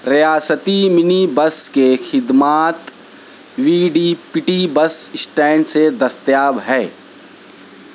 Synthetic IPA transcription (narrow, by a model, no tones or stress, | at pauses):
ɾɐjaːsət̪imɪnibɐskexɪd̪maːt̪ | wiːɖiːpɪʈibɐsɪsʈɛ̃ːɳɖsed̪ɐst̪jaːbɦɛː